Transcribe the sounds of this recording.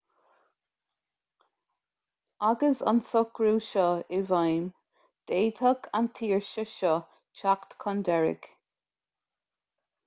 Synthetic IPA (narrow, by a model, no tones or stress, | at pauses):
aɡəsa̰nsɔkɹuːʃɔɪvajm | d̪̥eːt̪ʰəkʰant̪ʰiːɹʃəʃɔ | t͡ʃakt̪kʰɔnd̪ɛɹɪ̰ɡ̥